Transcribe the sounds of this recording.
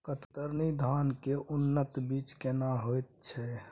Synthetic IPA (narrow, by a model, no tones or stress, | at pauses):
kət̪t̪əɾnid̪ʱankeʔunːət̪bit͡ʃkenaɦojt̪̚t͡ʃʰɛ